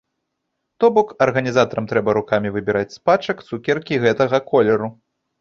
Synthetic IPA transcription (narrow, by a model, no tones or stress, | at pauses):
t̪ɔbɔkɐrɣɐnʲizat̪ɐɾɐmt̪ɾɛbɐɾukamʲivɨbʲiɾat͡sʲspat͡ʂɐkt̪sukʲɛrkʲiɣɛt̪ɐɣɐkʰɔlʲɛɾu